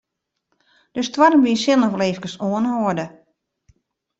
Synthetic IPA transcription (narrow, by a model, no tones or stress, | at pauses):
d̥østwaɾəmbiəsjɪnnɔvleːfkəsoənhoədə